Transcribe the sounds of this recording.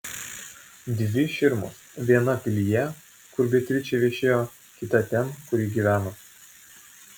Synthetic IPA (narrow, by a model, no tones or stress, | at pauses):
d̪ʲʋʲɪʃʲɪɾmʊ̰sʋʲiɛnɐpʲɪlʲɪjɛ | kʊɾbʲɛt̪ʲɾʲɪt͡ʃʲɛʋʲiɛʃʲeːjoː | kʲɪt̪ɐt̪ʲɛmkʊɾʲiɡʲiːʋʲæːno